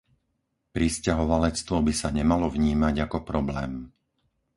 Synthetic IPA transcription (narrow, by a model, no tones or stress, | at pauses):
pɾiscaɦɔʋalɛt͡st̪ʋɔbisaɲɛmalɔvɲiːmaɟakɔpɾɔblɛːm